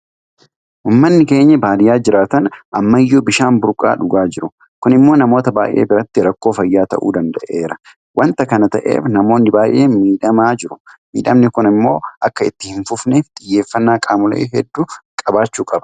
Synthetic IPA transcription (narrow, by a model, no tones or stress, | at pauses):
ʔuːmːɐnːɪke̞ːɲːɐbaːd̪ɪjaːd͡ʒɪɾaːt̪ɐnʔɐmːɐɪjːoːbɪʃaːnbʊɾkʼa̰ːᶑʊɡaːd͡ʒɪɾʊ | kʊnɪmːo̞ːnɐmo̞ːt̪ɐbaːjʔeːbɪɾɐt̪ːɪɾɐkːo̞ːfɐjːaːt̪ɐ̰ʔṵːd̪ɐnd̪ɐʔe̞ːɾɐ | wʔɐnt̪ɐkɐnɐt̪ɐ̰ʔe̞̰ːfnɐmo̞ːnːɪbaːjʔeːmiːᶑɐmaːd͡ʒɪɾʊmiːᶑɐmnɪkʊnɪmːo̞ːʔɐkːɐɪ̰t̪ːɪhɪnfʊfneːft̪ʼɪjːe̞ːfːɐnːaːkʼaːmʊlḛːɦɛd̪ːukʼɐbaːt͡ʃːuːkʼɐbɐ̥